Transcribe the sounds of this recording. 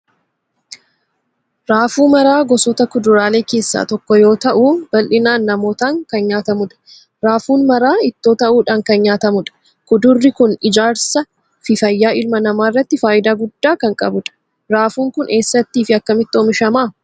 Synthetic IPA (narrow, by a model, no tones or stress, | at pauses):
ɾaːfuːmɐɾaːɡɔsɔt̪ɐkʊd̪ʊɾaːle̞ːke̞ːsːa̰ːt̪ɔkːɔjo̞ːt̪ɐʔuːb̥ɐlʔɪnaːnːɐmo̞ːt̪aːŋkɐnɲaːt̪ɐmʊᶑɐ̥ | ɾaːfuːnmɐɾaːɪt̪ːo̞ːt̪ɐʔuːᶑaːŋkɐnɲaːt̪ɐmʊᶑɐ̥ | kʊd̪ʊrːɪkʊnɪd͡ʒaːɾsɐ | fɪfɐjːaːʔɪlmɐnɐmaːrːɐt̪ːɪfaːʔɪd̪aːɡʊd̪ːaːkɐŋkʼɐ̰bʊᶑɐ̥ | ɾaːfuːŋkʊnʔe̞ːsːɐt̪ːiːfɪɐkːɐmɪt̪ːɔːmɪʃɐmaː